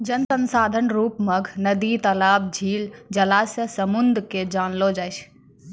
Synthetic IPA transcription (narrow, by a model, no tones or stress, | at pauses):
d͡ʒənsənsaːd̪ʱənɾuːpməɡʱnəd̪it̪əlaːb̚d͡ʒʱiːld͡ʒəlasjəsəmund̪ʱked͡ʒaːnlod͡ʒaːjt͡ʃʰ